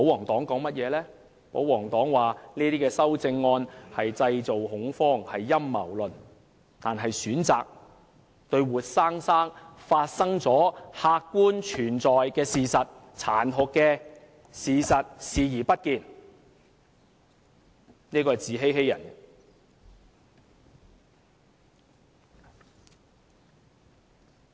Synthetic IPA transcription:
po˨˥wɔː˨˩ŋt̪ɔː˨˥ŋkɔː˨˥ŋmɐ˥t̚jɛː˨˧lɛː˥ | po˨˥wɔː˨˩ŋt̪ɔː˨˥ŋwaː˨niː˥t̪iː˥kɛː˧sɐ˥wt͡sɪ˧ŋːɔː˧nhɐ˨jt͡sɐ˧jt͡so˨whʊ˨˥ŋfɔː˥ŋhɐ˨jːɐ˥mːɐ̰˨˩wlɵ˨˩n | t̪aː˨nɦɐ˨jsyː˨˥nt͡sa̰ː˨k̚ | t̪ɵ˧ɥwuː˨˩t̚saː˥ŋsaː˥ŋfaː˧t̚sɐ˥ŋt͡sɔː˨˥haː˧kːuː˥nt͡ʃʰyː˨˩nt͡sɔː˨jkɛː˧siː˨sɐ˨t̚ | t͡sʰaː˨˩nɦʊ˨kːɛː˧ | siː˨sɐ˨t̚siː˨jiː˨˩pɐ˥t̚kiː˨˧n | niː˥kɔː˧hɐ˨˩jt͡siː˨˥ɦe˥jɦe˥jɐ̰˨˩n

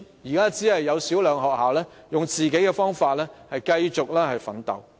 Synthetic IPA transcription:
jiː˨˩kaː˥t͡siː˨˥hɐ˨jːɐ˨˧wsi˨˥wlœː˨˧ŋɦɔː˨k̚haː˨wlɛː˥jʊ˨ŋt͡siː˨ke˨˥jkɛː˧fɔː˥ŋfaː˧t̚lɛː˥hɐ˨jkɐ˧jt͡sʊ˨k̚lɛː˥hɐ˨jfɐ̰˨˥nt̪ɐ̰˨˩w

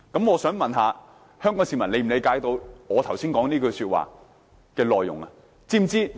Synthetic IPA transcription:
kɐ˨˥mŋɔː˨˧sœː˨˥ŋmɐ˨nɦaː˨˧ | hœː˥ŋkɔː˨˥ŋsiː˧mɐ˨˩nle˨˧jm̩˨˩le˨˧jkaː˨˥jt̪o˧wŋɔː˨˧t̪ʰɐ˨˩wsiː˥nkɔː˨˥ŋniː˥kɵ˧syː˧t̚wa̰ː˨ | kɛː˧lɔː˨jːʊ˨˩ŋɐ˧ | t͡siː˥˩m˨t͡siː˥

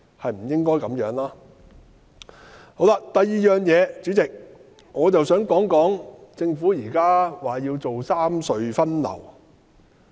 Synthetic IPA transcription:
hɐ˨jm̩˨˩jɪ˥ŋkɔː˥jkɐ˨˥mjœː˨˥ŋlaː˥ | ho˨˥wla˧˥t̪ɐ˨jːiː˨jœː˨ŋjɛː˨˧t͡syː˨˥t͡sɪ˨k̚ | ŋɔː˨˧t͡sɐ˨wsœː˨˥ŋkɔː˨˥ŋkɔː˨˥ŋt͡sɪ˧ŋfuː˨˥jiː˨˩kaː˥waː˨jiː˧wt͡so˨wsaː˥msɵ˧ɥfɐ˥nlɐ̰˨˩w

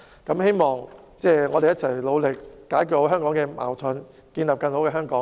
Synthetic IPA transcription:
kɐ˨˥mhe˥jmɔː˨ŋ | t͡sɛː˥˩ŋɔː˨˧d̪e˨jɐ˥t̚t͡sʰɐ˨˩jlo˨˧wlɪ˨k̚ːaː˨˥jkʊ˨˧ɦœː˥ŋkɔː˨˥ŋkɛː˧ma̰ː˨˩wt̪ʰɔ˨˧n | kiː˧nlaː˨p̚kɐ˧nho˨˥wkɛː˧ɦœː˥ŋkɔː˨˥ŋ

